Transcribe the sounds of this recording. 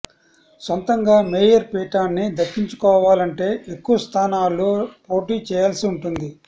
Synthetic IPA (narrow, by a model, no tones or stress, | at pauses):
sɐnt̪ɐŋɡaːmeːjɐɾpiːʈaːnːid̪ɐkːiɲt͡ʃu̥kɔːʋaːlɐɳʈe̞ːʔekːuʋɐst̪ʰaːnaːlːoːpo̞ːʈiːt͡ʃɛːjaːlsiuɳʈund̪i